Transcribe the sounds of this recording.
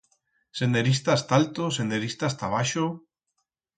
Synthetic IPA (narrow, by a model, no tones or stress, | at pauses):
send̪eɾist̪aest̪aalt̪osend̪eɾist̪ast̪aβ̞aʃo